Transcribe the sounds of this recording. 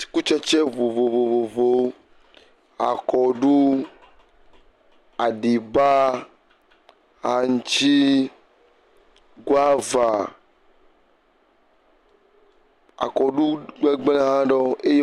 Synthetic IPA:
i̥˨ku˦t͡ʃɛ˦t͡ʃɛ˦vo˨vo˨vo˨vo˨vo˦ | a̰˨kɔ˨ɖu˦ | a˨ɖi˨ba˦ | ɦa˨ŋu˨t͡ʃi˦ | ɡo˦a˦va˨ | a̰˨kɔ˨ɖu˦ɡ͡bɛ˦ɡ͡blɛ̃˦ɦã˦ɖɔ˦e˦je˦

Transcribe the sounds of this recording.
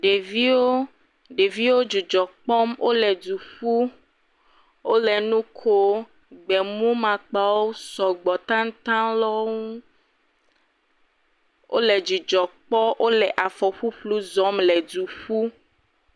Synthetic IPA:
ɖe˨vi˦wo˦ | ɖe˨vi˦wo˦d͡ʒu˨d͡ʒɔ˨k͡pɔ˦mwʔo˦lɛ˨du˨ɸu˦ | wo˦lɛ˨nũ˦kʰo˦ | ɡ͡bɛ˨mũ˦mã˨k͡pa˦wwo˦sɔ˨ɡ͡bɔ˨t̪ã˦ŋ̩˦t̪ã˦lɔ˦ŋũ˦ | wʔo̰˦lɛ˨d͡ʒu˨d͡ʒɔ˨k͡pɔ˦wʔo˦lɛ˨ʔa˨fɔ˨ɸu˦ɸlu˦zɔ˦mlɛ˨du˨ɸu˦

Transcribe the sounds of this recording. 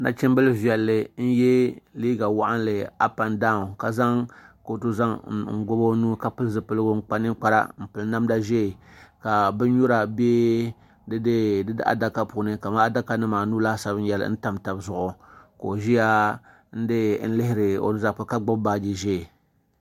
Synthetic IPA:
na̰˨t͡ʃɪ˦m˦bɨ˦lvi˨ɛ˨lːɨ˨n̩˦jɛ˦liː˦ɡa˨wa˦ʔa˦n˦lɨ˨a˦pa˨nda˦˨ka˨za˦ŋko˨to˦za˦ŋŋ̩˦ɡo˦bo˦nuː˦ka˨pɨ˦lzɨ˨pɨ˦lɨ˦ɡʊ˦ŋ͡m̩˦k͡pa˦nɨ˦k͡pa˦ɾa̰˦m̩˨pɨ˨lna˦mda˦ʒeː˦˨ka˨bɨ˦ɲo˦ɾa˨beː˦ | dɨ˦ddɨ˦dɨ̰˦ʔa̰˨da˦ka˦pu˨˦nɨ˦ka˨ma˦a˦da˦ka˦nɨ˦maː˨nuː˦la˦sa˦bɨ˦jɛ˨l̰n̩˦ta˦mta˨bzʊ˨ʔʊ˨ko˨ʒi˦ja˦ | n̩˦dɨ˦n̩˦lɪ˦ɦɪ˦ɾɨ˨o̰˨nɨ˦za˦˨pʊ˨ka˦ɡ͡bʊ˦bba˦d͡ʒi˨ʒe˦˨

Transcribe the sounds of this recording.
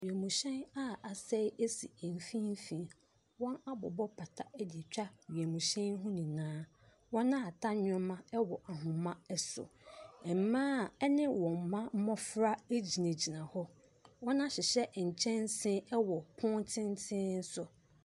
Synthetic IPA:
ɥi˨e˨mũ˨ɕɛ̃˦na˦a˨sɛ˦e˦sḭ˨e˨m˨fĩ˦m̩˦fĩ˨˦ | wɔ̃˦na˦bɔ̰˨bɔ˦pʰa˨tʰa˦ɛ˦dɪ˨t͡ɕᶣa˦ɥi˨e˨mũ˨ɕɛ̃˦n˦ɦʊ̃˦nĩ˨nãː˦ | wɔ̃˦nã˦˨tʰa˦ɲʊ̃˦mã˦ɛ˦wɔ˨ʔa˨ɦʊ̃˨mã˦ɛ˦sʊ̰˨ɛ˨m̩˨mãː˦˨ɛ˦nɪ̃˦wɔ̃˨m̩˨mã˦m̩˦mɔ̃˦fɾa˦e˦d͡ʑi˨nẽ˨d͡ʑi˨nã˨hɔ˦ | wɔ̃˦nã˦ɕɪ˨ɕɛ˦˨t͡ɕʰɛ̃˦n˦sɪ̃˦ɛ˦wɔ˨pʰʊ̃˦ntʰɪ̃˦n˦tʰɪ̃˦n̩˦sʊ˨

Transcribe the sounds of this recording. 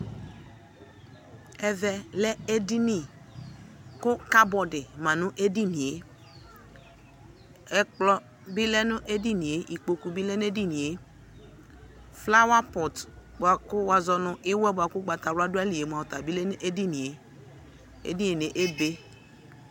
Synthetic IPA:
ɛ˨vɛ˨lɛ˦e˦di˦ni˨ | kʊ˦ka˦bɔ˨dɪ˨mã˨nʊ˦ʔe˦di˦ni˨e˨˦ | ɛ˦k͡plɔ˦ | bi˦lɛ˦nʊ˦ʔe˦di˦ni˨e˨ʔi˨k͡po˨ku˨bi˦lɛ˦n˦e˦di˦ni˨e˨ | fla˦wa˦pɔ˨tbʷa˨kʊ˦wa˨zɔ˨nʊ˨ʔɪ˦wɛ˦ba˨kʊ˦ɡ͡ba˨ta˨ɾʊ˦a˦dʊ˦a˦li˨e˨mu˨a˨ta˨bi˦lɛ˦n˦ʔe˦di˦ni˨e˨ | ḛ˦di˦ne˨ne˨ʔe˦be˦

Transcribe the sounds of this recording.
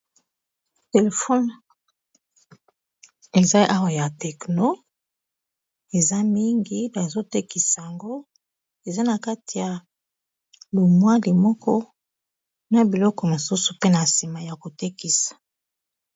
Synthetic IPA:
te˨le˨fɔ˦n | e˨za˦ʔa˦wa˨ja˨tɛ˨kno˦ | e˨za˦mi˦ŋɡi˦ba˨zo˦te˦ki˨sa˨ja˨ŋɡo˦ | e˨za˦na˨ka˦ti˨ja˨ | lu˨mwa˦li˨mɔ˦kɔ˦ | na˨bi˨lɔ˦kɔ˨mo˨su˦su˨pe˦na˨si˨ma˨ja˨ko˨te˦ki˨sḁ˨

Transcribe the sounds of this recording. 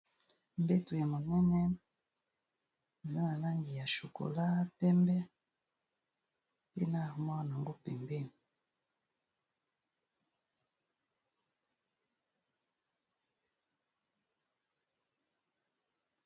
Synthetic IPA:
m̩˨be˦tu˨ɛ˨mɔ˨nɛ˦nɛ˦n | mi˨na˦na˨na˦ŋɡi˨ja˨ʃo˨ko̰˨la˦pɛ˦mbɛ˦ | pe˦na˦˨ɾmɔ˦˨na˨ŋɡo˦pɛ˨mbe˦˨n

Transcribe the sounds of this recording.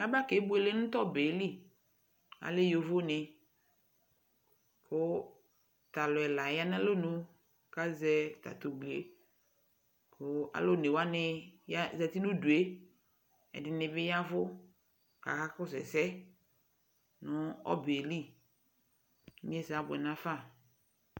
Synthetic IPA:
ka˦ba˦ke˨˦bʊ˦e˨le˦nʊ̃˦t̪ɔ˦be˨˦li˦ | a̰˨lɪ˦jo˨vʊ˦nɪ˨ | kʰʊ˦ | t̪a˨lʊ˨ɛ˨la˨ja˦n˦a˦lo˦nʊ̃˦ | ka˦zɛ˦t̪a̰˨t̪o˨ɡ͡blḛ˨ | kʰʊ˦a̰˨lo˦ne˨wa˦nɪ˦ja˦zɛ˨t̪i˦nũ˦du˨e˦ | ɛ̰˨dɪ˨nɪ̃˨bɪ˦ja˦vʊ˦ | ka̰˨ka˦kʊ˦sɛ̰˨sɛ˦ | nʊ̃˦ɔ̰˦be˨li˦˨˦ | mĩ˦ɛ˦sa˨˦bʊ˨ɛ˨nã˦fa˦˨

